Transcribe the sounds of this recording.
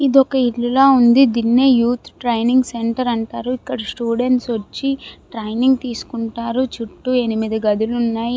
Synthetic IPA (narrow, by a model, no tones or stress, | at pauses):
id̪ɔkɐilːulaːund̪id̪inːeːjuːt̪ʰʈɾɐjniŋɡse̞ɳʈɐɾɐɳʈaːɾuikːɐɽɐsʈuːɖe̞ɳʈsʋɐt͡ʃːiʈɾɐjniŋɡt̪iːsu̥kuɳʈaːɾut͡ʃuʈːue̞nimid̪ɐɡɐd̪ulunːaːji